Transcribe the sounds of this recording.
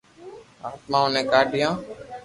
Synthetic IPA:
aːt̪mãːonẽːkaːɖɪjãː

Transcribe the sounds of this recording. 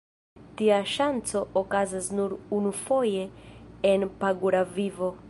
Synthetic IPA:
tiaʃant͡so̞ʔokazasnuɾunufo̞je̞ːnpaɡuɾavivo̞

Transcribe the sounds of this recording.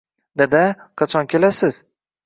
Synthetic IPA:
d̪ed̪ɪqʰɑt͡ʃʰɒnkʲʰelasɪz̥

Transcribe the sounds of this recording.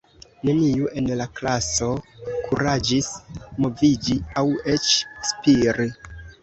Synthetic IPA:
ne̞niuʔe̞nlaklaso̞kʰuɾad͡ʒismo̞vid͡ʒiawe̞t͡ʃspiɾi

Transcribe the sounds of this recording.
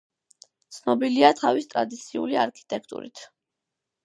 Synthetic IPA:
t̪sʰnɔbiliat̪ʰavist̪ʼɾad̪it̪sʰiṵliaɾkʰi̥t̪ʼɛkʰt̪ʼṵɾḭt̪ʰ

